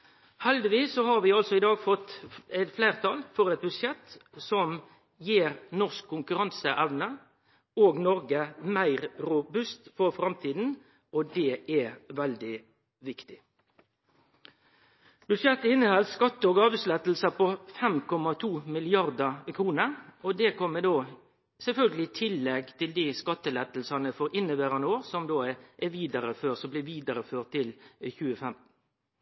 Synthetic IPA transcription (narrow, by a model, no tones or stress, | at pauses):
hɛld̪ɪʋiːsːɔhɑːɾʋɪɑlsɔɪd̪ɑːɡfɔt̪ːɛɪt̪flæɪʁt̪ʰɑːlfɔʁɛt̪̚bʉʂɛt̪sɔm | jiːɾnɔʁskʰːʊŋkʉɾɑnsəʔæʋnə | oːɡnɔɾɡəmæɪʁɾʊbʉst̪fɔʁfɾɑmt̪ʰiːd̪n̩ | ɔd̪ɛːɛʋɛld̪ɪ | ʋɪkt̪ɪ | b̥ʉd̪ʂɛt̪ːɪnːəhɑlskɑt̪ːəoːɡɑːʋəslɛt̪l̩sɑpɔfɛmkʰɔmɑt̪ʰuːmɪlɪɑʁd̪ɑkʰɾuːnəɾɔd̪ɛkʰɔmːəd̪oː | sɛlfœlɡəlɪt̪ʰɪlːɛɡt̪ʰɪld̪iskɑt̪ːəlɛt̪l̩sɑnəfɔːɾɪnːəʋæːɾɑnəoːʁsɔmd̪oːʔɛʋiːd̪əɾəføːsɔmblɪʋiːd̪əɾəføːʁt̪ʰːɪlçʉːəfɛmt̪n̩